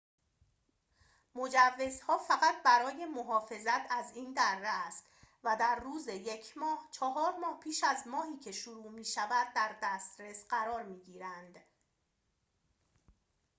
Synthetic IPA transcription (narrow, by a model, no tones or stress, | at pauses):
mod͡ʒævːe̞zhɒːfæɣæt̪̚ʰbæɾɒːje̞mo̞ɦɒːfe̞zæt̪ʰæziːnd̪æɾːæst̪væd̪æɾːuːzeje̞cʰmɒːht͡ʃʰɒɦɒːɾmɒːhpʰiːʃæzmɒːɦiːcʰe̞ʃuɾuːmiːʃævæd̪̚ːæɾd̪æst̪ɾesɢæɾɒːɾmiːɟiːɾænd̪